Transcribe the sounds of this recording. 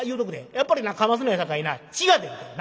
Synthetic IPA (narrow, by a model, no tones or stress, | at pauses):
iɯdokɯdeep͈aɾinakʰamas̬ɯnɦesʰak͈ainat͡ɕiɡadweden